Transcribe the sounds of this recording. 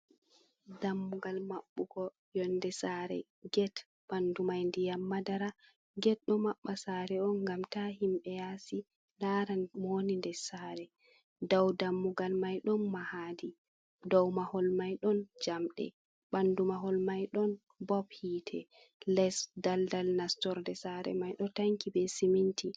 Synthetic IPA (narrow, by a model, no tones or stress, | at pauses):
damːuɡalmaɓːuɡɔ | jɔndɛsaɾɛ̰ | ɡɛt | bandumajndijamːadaɾa | ɡɛt̚ɗɔmaɓːasaɾɛɔnɡamtahimɓɛjasi | ndaɾanmonindɛsaɾɛ | dawdamːuɡalmajɗɔnmahaːdi | dɔwmahɔlmajɗɔnd͡ʒamɗɛ̰ | ɓandumaɦɔlmajɗɔn | bɔbhiːtʰɛ | lɛsdaldalnastɔɾdɛsaɾɛ̰majɗɔtaŋkibɛsiminti